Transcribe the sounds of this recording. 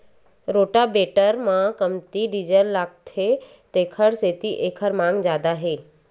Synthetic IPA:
ɾoːʈabeːʈəɾmãkəmt̪iɖid͡ʒəlːaːk̚t̪ʰe | t̪eːkʰəɽset̪iʔeːkʰəɾmãːŋɡzaːd̪aɦeː

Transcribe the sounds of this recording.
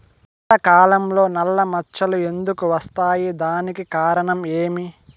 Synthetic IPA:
nɐɐkaːlɐmlo̞ːnɐlːɐmɐt͡ʃɐlue̞nd̪ukuʋɐst̪aːjid̪aːnikikaːɾɐɳɐme̞ːmi

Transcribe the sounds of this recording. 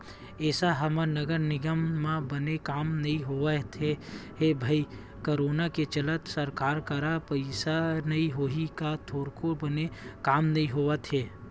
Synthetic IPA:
ɛːsaɦɐmanəɡəɾnɪɡəmːãbənekaːmnɐɦĩɦoːət̪ʰeɦebʱai | koɾoːnaket͡ʃələt̪səɾkaːɾkəɾapɐɪsanɐĩɦoːɦikat̪ʰoːɾkʰobənekaːmnɐɦĩɦoːʋət̪ʰeː

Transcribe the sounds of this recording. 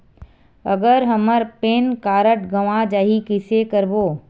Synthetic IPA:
ə̰ɡəɾɦəməɾpeːnkaːɾəʈɡɐʋãd͡ʒaːɦikɪsekəɾboː

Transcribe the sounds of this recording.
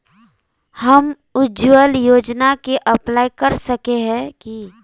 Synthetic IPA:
hɐm | ʊd͡ʒuwəljoːd͡ʒnakeʔɐplaːikɐɾsəkeɦɛ̃ki

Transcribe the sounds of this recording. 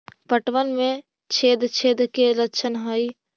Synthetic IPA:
pəʈʋənmẽ | t͡ʃʰeːd̪t͡ʃʰed̪keləkt͡ʃʰənɦəi

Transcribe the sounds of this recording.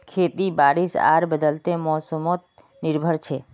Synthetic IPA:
kʰet̪ibaɾisa̰ɾbəd̪əlt̪emɔsəmot̪̚ | nɪɾbʱəɾt͡ʃʰe

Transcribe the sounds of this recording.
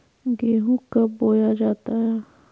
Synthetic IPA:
ɡeːɦũkaboːjad͡ʒaːt̪aɦɛː

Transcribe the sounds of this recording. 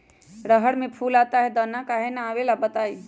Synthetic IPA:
ɾəɦəɽmẽpʰuːlaːt̪aɦɛd̪ənãkaːɦenaaːʋelabət̪aːiː

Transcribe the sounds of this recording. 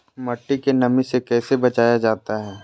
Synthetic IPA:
mɐʈːikenɐmisekɛːsebɐt͡ʃaːjad͡ʒaːt̪aɦɛː

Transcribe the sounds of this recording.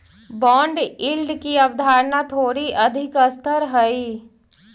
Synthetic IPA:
bɔ̃ːɳɖɪlɖkiɐbd̪ʱaːɾnat̪ʰoːɾiʔɐd̪ʱɪkəst̪ʰəɾɦəi

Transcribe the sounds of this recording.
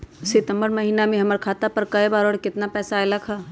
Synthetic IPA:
sɪt̪ə̃mbəɾmɐɦiːnamẽɦɐməɾkʰaːt̪apɐɾkɐibaːɾɔːɽkɪt̪napɛːsaelakʰaː

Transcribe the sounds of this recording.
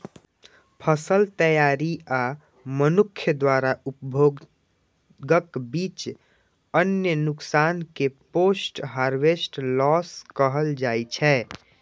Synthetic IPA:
pʰəsəlt̪əjaɾia | mənukʰːjəd̪waɾaupbʱo | ɡəkbit͡ʃ | ənjənuksankeposʈɦaɾʋesʈlɔskəɦəld͡ʒajt͡ʃʰɛ

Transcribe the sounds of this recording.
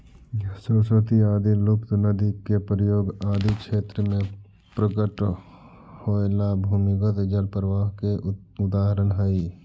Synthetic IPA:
soːsoːt̪iaːd̪ilʊpt̪nəd̪ikːepɾəjoːɡaːd̪ʱikʃeːt̪ɾəmẽ | pɾəɡəʈ | hoːelabʱuːmɪɡət̪d͡ʒəlpɾəʋaːɦke | ʊd̪aːɦəɾənɦəi

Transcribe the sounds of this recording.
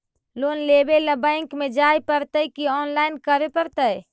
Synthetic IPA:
lonlebeləbə̃ɪŋkmed͡ʒajpəɾt̪əkiɔːnlaɪnkəɾepəɾt̪əj

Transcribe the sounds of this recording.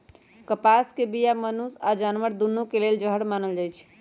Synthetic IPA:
kəpaskebijamənusad͡ʒanʋəɾd̪unːukeleld͡ʒəɦəɽmanəld͡ʒajt͡ʃʰ

